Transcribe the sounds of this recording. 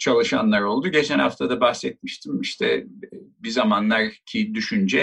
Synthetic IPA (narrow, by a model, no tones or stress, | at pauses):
t͡ʃʰalˠɯʃanlˠaɾo̞lˠd̪uɟe̞t͡ʃʰɛnha̰ft̪ʰad̪abaxsɛt̪̚miʃt̪ʰimiʃt̪ʰɛ̰bizamanlˠaɾcʰid̪yʃynd͡ʒɛ